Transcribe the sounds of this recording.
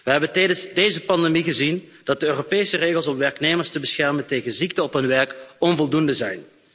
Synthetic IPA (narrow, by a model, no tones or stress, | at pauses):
ʋəɦɛbəntɛjdənsdejzəpɑndemiɣəzind̥ɑt̚dəøːropeːsəreːɣəlˠsɔmʋɛrkneːmərstəbəsxɛrmənteːɣənziktəɔpɦɵnʋɛrkɔnvɔlˠdundəzɛjn